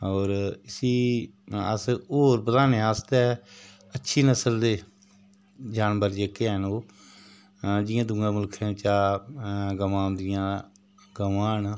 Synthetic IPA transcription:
ɔːɾɪsiː | ə̰soːɾbəd̪aːneːaːst̪ɛ | ətːʃʰiːnəsəld̪eː | d͡ʒaːnbəɾd͡ʒeːkeːənoː | d͡ʒɪjãːd̪ʊŋɡãːmʊlkʰẽːt͡ʃaː | ɡəmãːnd̪ɪjãː | ɡəmaːn

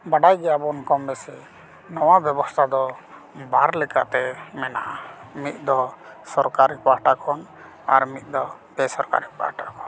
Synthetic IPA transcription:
baɖajɡɛjabɔnkɔmbɛsɛ | nɔwabjɛbɔst̪ʰad̪ɔ | baɾlɛka̰ʔt̪ɛmɛna̰ʔamit̪̚ˀd̪ɔsɔɾkaɾipaɾʈakʰɔn | aɾmit̪̚ˀd̪ɔ | bɛsɔɾka̰ɾipa̰ɾʈa̰kɔn

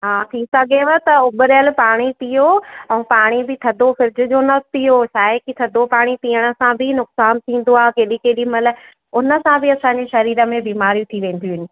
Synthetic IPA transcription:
ɦaːt̪ʰisɐɡʱeʋət̪ɐʊbʊɾjəlpaːɽ̃ipijoɛ̃ũpaːɽ̃ibɪt̪ʰɐd̪ʱoxɪɾd͡ʑʊ̆d͡ʑonɐstijoʃaːɦɪkit̪ʰɐd̪ʱopaːɽ̃ipiːəɽ̃ə̆sãbʱɪnʊksaːnt̪ʰĩːn̆d̪oaːɦkeːɗĩkeːɗimɐlə̆ | ʊnə̆sãbʱɪɐsãːɲd͡ʑeʃɐɾiːɾə̆mẽbiːmaːɾijũt̪ʰiʋẽːn̆d̪iuɦɪnɪ̆

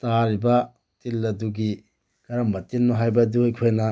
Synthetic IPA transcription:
taɾibɐ | tilːɐduɡi | kɐɾɐmbɐtinmɔɦajbɐdujkʰojnɐ

